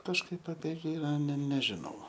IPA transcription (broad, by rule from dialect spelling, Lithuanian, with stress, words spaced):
kɐʃˈkɐɪp ɐpʲiɛ ˈɡʲɪrɑː nʲɛ nʲɛˈʒʲɪnɐʊ